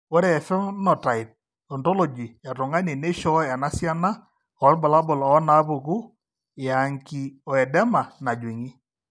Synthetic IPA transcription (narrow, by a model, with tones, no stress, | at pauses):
wɔ˦ɾɛ˨ɛ˨fɛ˦mnɔ˨ta˨ɪ˨t̚ | ɔ˨ntɔ˦lɔ˨d͡ʒi˨ja˨tʊ˨ŋa˦ne˨ne˦ʃɔ˦a˨na˦sja˦na˦ | ɔ˨˦ɾbɔ˨la˦bɔ˨lɔ˦na˦po˨ku˦˨ | a˨ŋki˨ɔ˨ɛ˨dɛ˦ma˨na˨d͡ʒwi˨ŋi˦